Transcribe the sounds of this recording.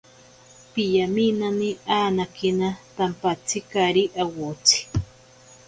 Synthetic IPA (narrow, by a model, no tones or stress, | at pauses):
pijaminaniaːnakinat̪ampat͡sʰikaɾiʔawot͡sʰi̥